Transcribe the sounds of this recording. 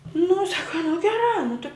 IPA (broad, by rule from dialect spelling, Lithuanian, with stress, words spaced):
nʊ ˈsɑːkɐ nʊ ɡʲɛˈrɑː nʊ tɨ